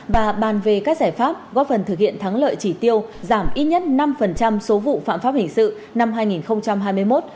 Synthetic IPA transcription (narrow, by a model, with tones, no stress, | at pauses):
vaː˨˩ɓaː˨˩nve˨˩kaː˦˥k̚zaː˧˩jfaː˦˥p̚ɣɔ˦˥p̚fə˨˩nt̪ɨ˨˩k̚hḭ˧˨ənt̪ʰaː˨˦ŋlə̰ː˧˨jt͡ɕi˧˩t̪i˧əwzaː˧˩mʔi˦˥t̚ɲə˦˥t̚na˧mfə˨˩nt͡ɕa˧mso˨˦vṵ˧˨fa̰ː˧˨mfaː˦˥p̚hï˨˩ŋ̟sɨ̰˧˨ | na˧mɦaː˧jŋi˨˩nxə˧wŋ͡mt͡ɕa˧mɦaː˧jmɨ˧əjmo˦˥t̚